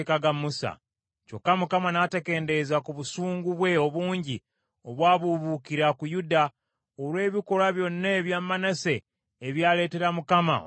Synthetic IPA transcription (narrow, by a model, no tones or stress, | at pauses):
kaɡamusa̰ | co̞̰kːamukamanateke̞ːnde̞zakuβusuːŋɡuβwe̞o̞βuːɲɟi | o̞βwaːβuβukiɾakujuda | oɾwe̞ːβiko̞ɾaβjo̞nːaːβjaːmːanase̞ː | βjaːle̞ːte̞ɾamukama̰